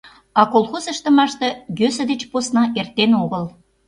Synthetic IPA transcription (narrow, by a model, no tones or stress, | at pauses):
ɑkolˠxozəʃt̪ə̆mɑʃt̪ɤ̆jøsə̆d̪et͡ɕposnɑʔert̪enoɣəl